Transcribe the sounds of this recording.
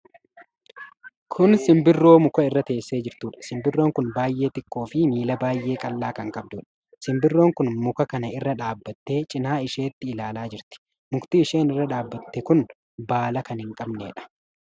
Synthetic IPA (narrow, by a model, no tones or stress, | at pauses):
kʰʊnsɪmbɪrːo̞ːmʊkɐɪrːɐt̪e̞ːsːe̞ːd͡ʒɪɾt̪uːᶑɐ̥sɪmbɪrːo̞ːŋkʊnbaːjʔe̞ːt̪ɪkːo̞ːfɪmiːlɐbaːjʔe̞ːkʼɐlːaːkɐŋkʼɐb̚d̪uːᶑɐ̥ | sɪmbɪrːo̞ːŋkʊnmʊkɐkɐnɐɪrːɐᶑaːbːɐt̪ːe̞ːt͡ʃʼɪnaːɪʃe̞ːt̪ːɪːlaːlaːd͡ʒɪɾt̪ɪ̥ | mʊkt̪iːʃe̞ːnɪrːɐᶑaːbːɐt̪ːɛkʊn | baːlɐkɐnhɪŋkʼɐbnḛːᶑɐ̥